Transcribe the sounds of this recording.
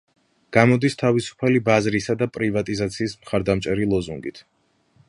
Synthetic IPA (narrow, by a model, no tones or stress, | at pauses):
ɡ̥amɔd̪ist̪ʰavisu̥pʰalibazɾisad̪apʼɾivat̪ʼizat̪sʰiːsmχaɾd̪amt͡ʃʼɛɾilˠɔzuŋɡit̪ʰ